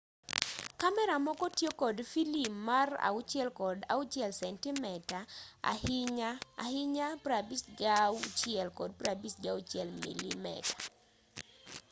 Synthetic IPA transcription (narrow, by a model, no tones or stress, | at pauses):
kamɛɾamɔkɔtjekɔdfilimːara̰ut͡ʃɛlkɔda̰ʊt͡ʃjɛlsɛntimɛtaa̰hɲaa̰hɪɲapɾabisɡawt͡ʃjɛlkɔd̚pɾabisɡawt͡ʃjɛlmḭlḭmɛ̰tḁ